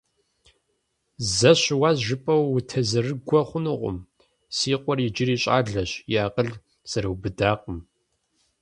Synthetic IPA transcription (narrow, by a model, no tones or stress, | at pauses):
zɐɕwazʒɪpʼɐwːʊtʰɐzɨrɨɡʷɔχʷʊnɨʁʷʊ̰m | siːqʷʼɔrid͡ʒɪriːɕʼa̰ːɮɐɕjaːqəɮ | z̥ɐɾɐwbɨdaːqʼəm